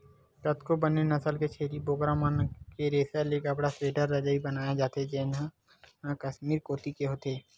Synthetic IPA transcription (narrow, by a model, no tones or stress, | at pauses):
kɐt̪kobɐnenɐsəlket͡ʃʰeːɾiboːɡɾamənkeɾeːsəlekabəɽasɾeːʈəɾːɐd͡ʒaibɐnaːjad͡ʒaːt̪ed͡ʒenɦə̃ | kɐʃmiːɾkoːt̪ikeɦoːt̪eː